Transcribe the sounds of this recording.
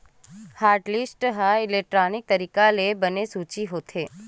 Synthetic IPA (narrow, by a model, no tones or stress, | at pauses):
haːɾʈlisʈɦaɪlek̚ʈɾaːnɪk̚t̪əɾiːkalebənesuːt͡ʃiɦoːt̪ʰeː